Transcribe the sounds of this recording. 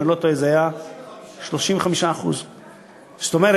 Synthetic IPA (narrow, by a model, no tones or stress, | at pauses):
elot̪oezeaja | ʃloʃĩmveχamiʃaːχṵz | st̪omeʁe